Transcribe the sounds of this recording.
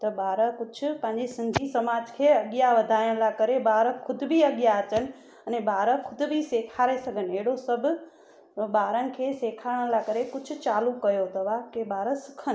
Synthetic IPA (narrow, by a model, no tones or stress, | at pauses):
t̪əbaːɾəkʊt͡ʃʰpãnd͡ʒesənd͡ʒʱisəmaːd͡ʒkʰeəɡjaʋəd̪ʱajə̃lakəɾebaːɾəkʰʊd̪bʱiəɡjat͡ʃən | ənebaːɾəkʰʊd̪bʱisekʰaːɾesəɡəneɽosəbʱ | baːɾənkʰeseːkʰaɽə̃lakəɾekʊt͡ʃʰt͡ʃaːlũkəjot̪əʋakebaːɾəsə̥kʰən